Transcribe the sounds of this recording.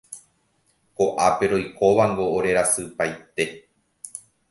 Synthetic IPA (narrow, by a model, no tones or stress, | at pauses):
koʔape̞ɾo̞jkoʋaŋɡo̞ːɾe̞ɾasɨpajt̪e̞